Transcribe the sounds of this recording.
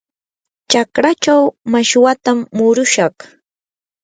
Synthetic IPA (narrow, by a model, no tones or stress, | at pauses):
t͡ʃakɾat͡ʃawmaʃwat̪amːʊɾʊʃɑχ